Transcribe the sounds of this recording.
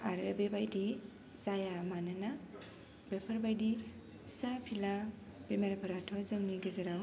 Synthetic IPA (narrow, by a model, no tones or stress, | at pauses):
aɾebebajdi | zajamanana | bepʰɐɾbajdi | pʰi̥sapʰila | b̥emaɾɐpʰɐɾatʰɔzɯŋniɡɐzaɾaw